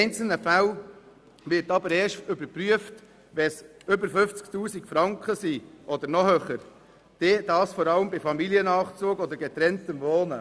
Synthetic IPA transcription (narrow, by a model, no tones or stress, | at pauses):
ɛɪnt͡sl̩nəfæl | ʋɪɾtɑbəɾɛːʃʏbəɾpɾyəft | ʋɛsʏbəɾfɵft͡sktuːsikfɾɑŋkχəsiːʔɔd̪əɾnɔhøːχəɾ | d̥eːd̥ɑːsfɔɾɑləmbɪfɑmiliənɑːχt͡suːɡɔd̪əɾɡɛt̪ɾɛntəmvoːnə